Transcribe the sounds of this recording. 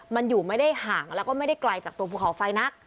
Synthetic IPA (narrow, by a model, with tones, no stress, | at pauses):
ma˧njuː˨˩ma˥˩jda˥˩jhaː˩˦ŋlɛː˦˥wkɔː˥˩ma˥˩jda˥˩jkla˧jt͡ɕaː˨˩k̚t̪u˧əpʰu˥˩kʰa˩˦wfa˧jna˦˥k̚